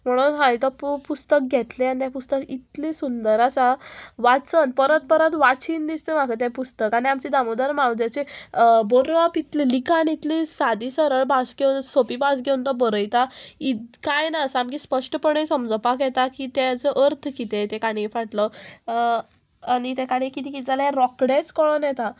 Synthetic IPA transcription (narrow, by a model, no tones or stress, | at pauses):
m̤əɽ̃uːnɦãjit̪əppust̪ək̚ɡʱɛt̪leanit̪jãpust̪əkit̪lisund̪əɾasaʋat͡sənpəɾət̪̚pəɾət̪ʋat͡siːnd̪ist̪em̤akʰət̪̬japust̪əkaɽiamt͡ɕid̪amud̪əɾmawd͡ʑat͡ɕebəɾapit̪lelikanit̪lisad̪isəɾəɭbasɡewnsopibas̬ɡewunt̪əbəɾəjt̪aitkajnaəsaamkiːspəʂʈəpəɳ̃esəmd͡zəpakjɛt̪akit̪ɛt͡səʔəɾt̪ʰkit̪et̪ekaɽ̃ifaʈlə | añit̪ɛkaɽikit̪ikit̪alɛɾɔkɽet͡skɔɭənjɛt̪a